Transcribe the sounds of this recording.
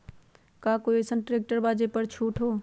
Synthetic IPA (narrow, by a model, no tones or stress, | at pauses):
kakoesənʈɾek̚ʈəɾbaːd͡ʒepəɾt͡ʃʰuːʈʰɦoː